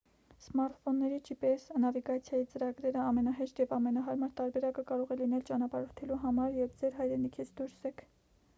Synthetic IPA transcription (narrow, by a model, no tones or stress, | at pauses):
smɑɾt̪fɔnːɛɾit͡ʃʰipɛsnɑviɡɑt͡sʰjɑjit͡səɾɑɡɾɛɾəɑmɛnɑɦɛʃt̪jɛvɑmɛnɑɦɑɾmɑɾt̪ɑɾbɛɾɑkəkɑɾɔʁɛlinɛlt͡ʃɑnɑpɑɾɔɾt̪ʰɛluɦɑmɑɾjɛvd͡zɛɾɦɑjɾɛnikʰit͡sʰd̪uɾsɛkʰ